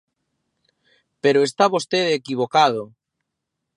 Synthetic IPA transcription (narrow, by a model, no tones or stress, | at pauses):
peɾoest̪aβost̪eðekiβ̞okaðo